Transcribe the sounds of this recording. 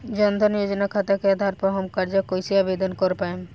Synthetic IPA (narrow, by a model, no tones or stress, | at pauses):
d͡ʑɔnd̪ʱɔnijod͡ʑonakʰat̪akead̪ʱaɾpɔɦɔmkaɾd͡ʑokojsiabed̪onkɔɾpaen